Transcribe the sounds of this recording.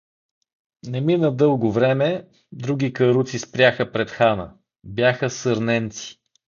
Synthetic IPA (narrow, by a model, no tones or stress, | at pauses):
nɛminəd̪ɤlˠɡʊvɾɛmɛ | d̪ɾuɡ̟ikəɾut̪sispɾʲjaxəpɾɛt̪xanə̰ | bjaxəsəɾnɛnt̪si̥